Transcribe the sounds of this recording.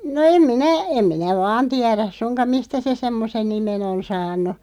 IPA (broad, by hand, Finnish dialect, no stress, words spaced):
no em minæ em minæ ʋɑːn tiæræs sunkɑm̆ mistæ se semːosen nimen on sɑːnˑu